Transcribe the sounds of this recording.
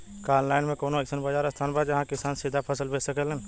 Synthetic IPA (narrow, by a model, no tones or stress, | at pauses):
kaːnlaːɪnmẽkoːnoɛksənbəd͡ʒaːɾəst̪ʰaːnbaːd̪jɐɦãkɪsaːnsɪd̪ʱapʰəsəlbesəkələn